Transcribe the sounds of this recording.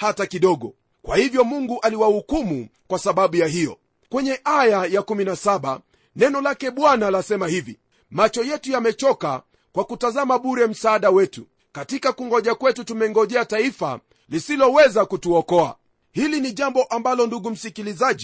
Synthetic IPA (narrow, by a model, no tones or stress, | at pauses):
hatakiɗɔɠɔ | kwahivjɔmuŋɡuʔaliwahukumukwasaɓaɓujahijɔ̰ | kwɛɲɛʔajajakuminasaɓa̰ | nɛnɔlakɛɓwanalasɛmahivḭ | mat͡ʃɔjɛtujamɛt͡ʃɔka̰ | kwakutazamaɓuɾɛm̩saːɗawɛtu | katikakuŋɡɔʄakwɛtutumɛŋɡɔʄɛataifa̰ | lisilɔwɛzakutuɔkɔa̰ | hiliniʄambɔʔambalɔnduɡum̩sikilizaʄi